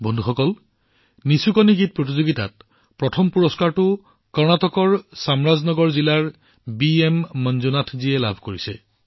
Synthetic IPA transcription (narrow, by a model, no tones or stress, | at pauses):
bʱɔndʱuxɔkɔl | nisukɔniɡit̚pɹot̬izoɡita̰t̚ | pɹɔtʰɔmpuɹɔskaɹtʊ | kɔɹnatɔkɔɹsamɹaznɔɡɔɹzilaɹ | biemːɔnzunatʰzijɛla̰bʱkoɹisɛ̰